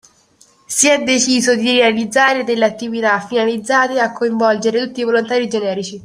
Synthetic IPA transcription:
siɛd̪ːet͡ʃiːzod̪iɾealid̪zːaːɾed̪elːeat̪ːivit̪afːinalid̪zːaːt̪eakːoiɱvɔld͡ʒeɾet̪ut̪ːivolont̪aːɾid͡ʒenɛːɾit͡ʃi

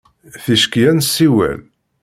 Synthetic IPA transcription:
θiʃkjænsːiwæ̰l

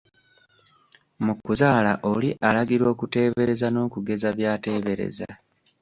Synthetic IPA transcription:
mukːuzaːla̰ʔoliʔalaɡiɾo̞ːkute̞ːβe̞ɾe̞zano̞ːkuɡe̞zaβjaːte̞ːβe̞ɾe̞̰za̰

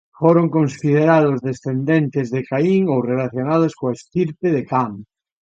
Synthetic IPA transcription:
foɾoŋkõnsið̞eɾað̞ozðesθend̪ent̪ezðekaiŋowrelaθjonað̞oskoest̪iɾp̪eðekam

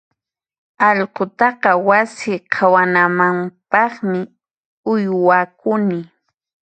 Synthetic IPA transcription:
ɑʎqot̪ɑqɑwasɪqʰawanamampɑχmɪ | ʊjwakʊnɪ

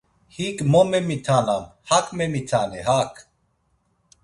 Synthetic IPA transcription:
hikmɔmɛmit̪ʰanamhakʰmɛmit̪ʰanɛɦakʰ

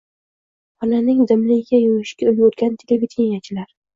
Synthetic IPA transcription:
ɒnanɪŋd̪ɪmlɪɡʲɪɡʲajojɪʃkʲaɪljot̪kʲant̪ʰelevʲit̪ʰiŋʲat͡ʃʰɪlaɾ

